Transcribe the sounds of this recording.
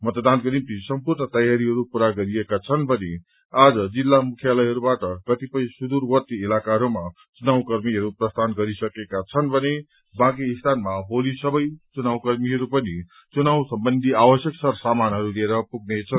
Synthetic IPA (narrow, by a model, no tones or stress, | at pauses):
mʌt̪d̪anɡʌɾint̪isʌmpurnʌt̪ʌjaɾiɦʌɾupuɾaɡʌɾiekat͡sʰʌnbʱʌne | ad͡zʌd͡zilːamukʰijalʌjɦʌɾubaʈʌkʌt̪ipʌj̃sud̪uɾwʌt̪iilakaɦʌɾuma | t͡sunaw̃kʌɾmiɦʌɾuprʌst̪ʰanɡʌɾisʌkekat͡sʰʌnbʱʌne | bãk̬iːst̪ʰanmabolisʌbʌjt͡sunawkʌrmiɦʌɾupʌni | t͡sunawsʌmbʌnd̪ʱiabʌsjʌksʌrsamanɦʌɾulieɾʌpuɡnet͡sʰʌn